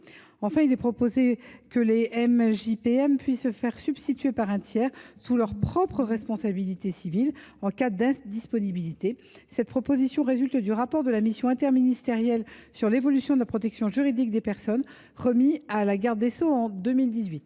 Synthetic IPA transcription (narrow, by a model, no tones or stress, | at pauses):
ɑ̃fɛ̃ilɛpχɔpozekəleɛmʒipeɛmpɥisːəfɛʁsyb̥st̪it̪ɥepaʁɛ̃t̪jɛʁsulœʁpχɔpχəʁɛspɔ̃sabilit̪esivilɑ̃kad̪ɛ̃d̪ispɔnibilit̪e | sɛt̪̚pχɔpozisjɔ̃ʁezylt̪d̪yʁapɔʁd̪əlamisjɔ̃ɛ̃t̪ɛʁminist̪eʁjɛlsyʁlevɔlysjɔ̃d̪əlapʰχɔt̪ɛksjɔ̃ʒyʁid̪ik̚d̪epɛʁsɔn | ʁəmialaɡaʁd̪ːesoɑ̃d̪ømild̪izɥit̪